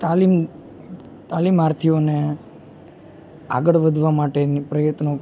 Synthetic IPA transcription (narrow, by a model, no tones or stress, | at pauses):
t̪alim | t̪alimaɾt̪ʰione | a̰ɡəɭʋəd̪ʱʋamaʈenipɾəjət̪no